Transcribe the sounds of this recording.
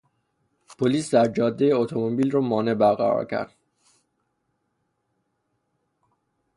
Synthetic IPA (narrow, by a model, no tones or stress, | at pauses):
pʰoliːsd̪æɾd͡ʒɒːd̪ːejeot̪ʰo̞mobiːlrɔːmɒːne̞bæɾɣæ̰ɾɒ̰ːɾcʰæ̰ɾd̪̥